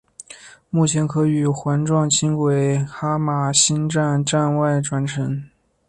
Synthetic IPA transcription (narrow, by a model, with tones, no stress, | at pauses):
mu˥˩t͡ɕʰjɛ˧˥nkʰɤ˧˥y˨˩xwa˧˥nʈ͡ʂwɑ˥˩ŋt͡ɕʰi˥ŋkwe˨˩ɪxa˥ma˨˩ɕi˥nʈ͡ʂa˥˧nʈ͡ʂa˥˧nwa˥˩ɪʈ͡ʂwa˧˥nʈ͡ʂʰɤ˧˥ŋ